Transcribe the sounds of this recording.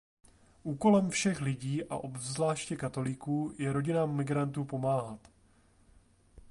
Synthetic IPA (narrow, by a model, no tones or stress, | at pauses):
ʔuːko̞lɛmfʃɛxlɪɟiːʔa̰ʔo̞bvzlaːʃcɛkat̪o̞lɪkuːjɛɾo̞ɟɪnaːmːɪɡɾant̪uːpo̞maːɦat̪